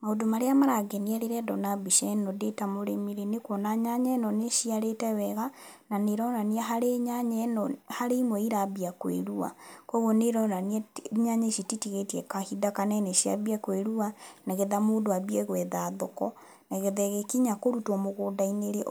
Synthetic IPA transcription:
maodomaɾeamaɾaɡɛniɛɾeɾɛdɔnabiʃɛnɔdetamoɾemiɾenekwɔnaɲaɲɛnɔneʃiaɾetɛwɛɣa | naneɾɔnaniɛɦaɾeɲaɲɛnɔhaɾeimwɛiɾabiakwḛɾua̰kɔɣoneɾɔnaniɛɲaɲɛʃititiɣetjɛkahidakanɛnɛʃia̰biakweɾuanaɣeðamoːdoabiɛɣwɛðaðɔkɔ | naɣeðɛɣekiɲakoɾutwɔmoɣoːdaineɾe

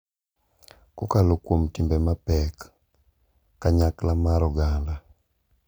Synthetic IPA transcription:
kɔkalokwomtimbɛmapɛk | aɲaklamaɾɔɡanla

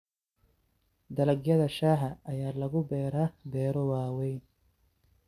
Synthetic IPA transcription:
d̪ɐlɐɡjɐðɐʃaːħɐɐjaːlɐɣʊbɛːɾaːb̪ɛːɾɔwaːwɛjn

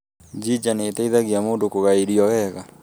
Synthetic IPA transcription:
d͡ʒid͡ʒanetaiðaɣjamoːndokoɣaeɾiɔwɛɣa

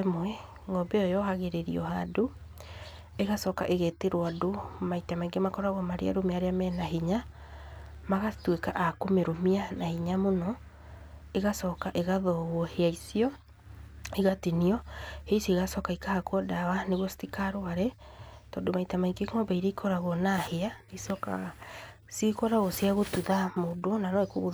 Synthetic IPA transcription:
moɛ | ŋɔbɛɔjɔhaɣeɾeɾḭɔ̰hado | eɣasɔka̰ʔeɣɛteɾwadomaitamaiŋɡemakɔɾaɣwɔmaɾḛa̰ɾomeaɾeamɛnaɦiɲa | maɣatwekaʔakomeɾomianahiɲamonɔ | eɣasɔːkaʔeɣaðɔɣwɔheaisiɔ | iɣatiniɔheiseɣasɔkaikahakwɔdawaneɣwɔsi̥tikaɾoaɾɛ | tɔːndomaitamaiŋɡekmɔbaiɾeikʰɔɾaɣɔnaheaneisɔka̰ | sekɔɾaɣɔsjaɣotuðamodonanɔekoɣo

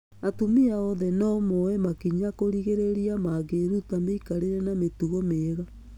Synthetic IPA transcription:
atumiaɔðɛnɔmoɛmakiɲakoɾiɣeɾeɾiamaɣeɾutameikaɾeɾɛnametuɣomeːɣa

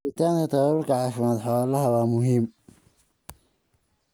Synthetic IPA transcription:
ɪt̪ʰaːŋkʰɐt̪ʰɐβɐβʊlkʰɐʕɑːfɪmaːd̪ħɔwaːlɐɦɐwaːmʊɦiːm

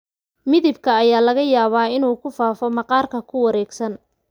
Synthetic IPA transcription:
mɪðɪbkʰɐːjaːlɐɣɐjaːβaːɪnuːkʰʊfaːfɔmɑqɑːrkʰɐkʰʊwɑɾɛːɡsɐn

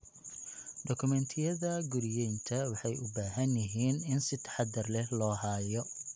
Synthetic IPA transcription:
ɖɔkʰʊmɛnt̪ʰɪjɐðɐɡʊɾɪjɛjnt̪ʰɐwɑħɑjʊbaːɦɐnjɪɦiːnɪnsɪt̪ʰɐ̥ħɑd̪ɐrlɛlɔːɦaːjɔ

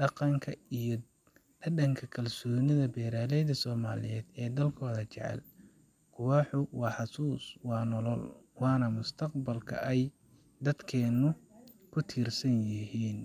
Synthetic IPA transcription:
ɖɑqɑŋkʰɐij | d̪ɐdɐŋkʰɐkʰɐlsɔːnɪðɐbɛːɾaːlɛjðɐsɔːma̰ːlɪ̰jɛːd̪ɛːd̪ɐlkʰɔːðɐt͡ʃɛ̰ʕɛ̰l | kʰʊwɑːħʊwɑːħɑsuːswɑːnɔlɔlwɑːnɐmʊst̪ʰɐqbɐlkʰɐ̰ʔɛj | d̪ɐd̪kʰɛːnːʊ | kʰʊt̪ʰiːrsɐnjɪɦiːn

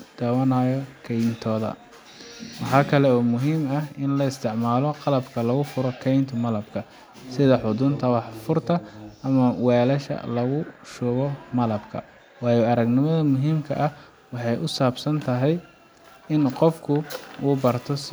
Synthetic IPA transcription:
d̪̥ɐwɐnajɔkʰɛjnt̪ʰɔːðɐ̰ | wɑħɑːkʰɐlɛɔːmʊɦiːmɐɦɪnlɐɪst̪ʰɪʕmaːlɔqɑlɐbkʰɐlɐɣʊfʊɾɔkʰɛjnt̪ʰʊmɐlɐbkʰɐ | sɪðɐħʊd̪ʊnt̪ʰɐwɑħfʊrt̪ʰɐʔɐmɐwɛːlɐʃɐ̰lɐɣʊʃɔːɣɔmɐlɐbkʰɐ̰ | wɑːjɔɐɾɐɡnɪmɐðɐmʊɦiːmkʰɐʔɐh | wɑħɑjʔʊsaːbsɐnt̪ʰɐɦɛj | ɪnqɔfkʰʊuːbɐrt̪ʰɔs

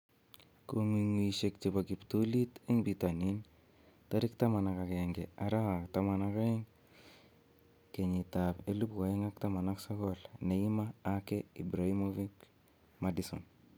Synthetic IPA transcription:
komiŋwiʃek̚t͡ʃipakiptulitiŋbitanin | taɾiktamanakakeŋɡeaɾaaktamanakaiŋ | keɲitapelupkoeŋak̚tamanaksɔkɔlneimaːkeibɾaimovik | madiso̰n

